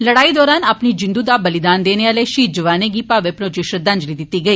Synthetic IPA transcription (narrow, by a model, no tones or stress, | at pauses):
lɐɽaːid̪ɔːɾaːnaːpnid͡ʒɪ̃nd̪ud̪abɐlɪd̪aːnd̪eːneaːleʃiːt̪d͡ʒɐʋaːneɡiːpaːʋepɾod͡ʒɪʃɾəd̪ɐ̃nd͡ʒlid̪ɪt̪ːiɡɐiː